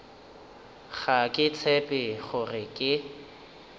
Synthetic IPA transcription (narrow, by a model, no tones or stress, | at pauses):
χakʼɪt͡sʰɛpʼɪχʊrɪkʼɪ